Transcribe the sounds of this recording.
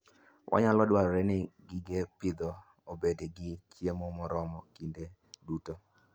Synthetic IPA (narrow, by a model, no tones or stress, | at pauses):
wʔa̰ɲalɔdwaɾɔɾɛnɪɡiɡepɪd̪ɔ | obedeɡɪt͡ʃjemomɔɾɔmɔkinde | duto